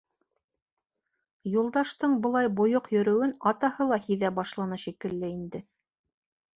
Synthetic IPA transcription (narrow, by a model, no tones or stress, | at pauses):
julˠd̪ɑʃt̪ɤɴbɤ̆lˠɑjbŏjoqjɵ̆ɾɵ̆wɘnɑt̪ɑhɤlˠɑhiðæbɑʃlˠɑnɤʃikɘ̆lːɘind̪ɘ